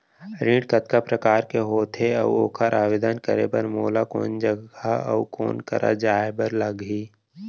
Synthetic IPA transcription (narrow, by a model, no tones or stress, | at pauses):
ɾĩːɖkət̪kapɾəkaːɾkeɦoːt̪ʰeə̰ʋoːkʰaɾʔaːʋed̪ənkə̰ɾḛbəɾmoːlako̰ːnd͡ʒəɡaə̰ko̰ːnkə̰ɾʔa̰d͡ʒaːebəɾləɡɦiː